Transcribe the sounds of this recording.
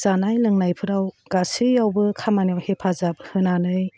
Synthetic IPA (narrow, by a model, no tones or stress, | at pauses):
zanajlɯŋnajpʰɯɾawɡasɯjawbɯkʰamanijawhepʰazap̚hɯnanɯj